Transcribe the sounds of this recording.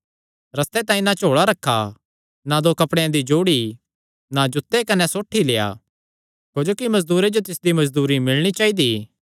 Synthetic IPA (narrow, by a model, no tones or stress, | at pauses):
ɾɐst̪et̪aːĩnat͡ʃoːɭaɾɐkʰːa | nad̪okɐpɽejãd̪id͡ʒoːɽi | nad͡ʒʊt̪ːekɐnɛsoːʈʰːileːja̰ | kod͡ʒoːkimɐzd̪uːɾed͡ʒot̪ɪsd̪imɐzd̪uːɾimɪlɽ̃it͡ʃaːid̪iː